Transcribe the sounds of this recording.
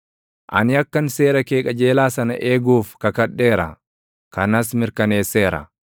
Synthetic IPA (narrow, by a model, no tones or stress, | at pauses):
ʔɐ̰nɪɐkːɐnse̞ːɾɐkeːkʼɐd͡ʒe̞ːlaːsɐnɐ̰ʔe̞ːɡuːfkɐkɐᶑːe̞ːɾɐ̰ | kɐnɐsmɪɾkɐne̞ːsːe̞ːɾɐ̰